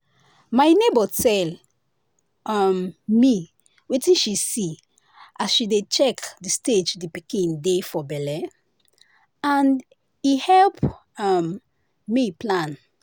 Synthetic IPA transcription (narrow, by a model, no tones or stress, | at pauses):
majnebətɛl | ʌmmi | wetĩnʃisi | ʔasʃidet͡ʃɛkdisted͡ʒdipikĩndefɔbɛlɛ | ãn | ihɛlp | am | miplãn